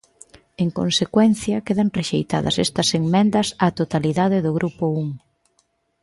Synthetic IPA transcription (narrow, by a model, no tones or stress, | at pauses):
eŋkonsekwɛn̟θjɐkeðɐŋreʃejt̪a̰ðɐ̰sɛ̰st̪ɐseŋmɛnd̪ɐsat̪ot̪aliðaðɪðʊɣɾʔupʊuŋ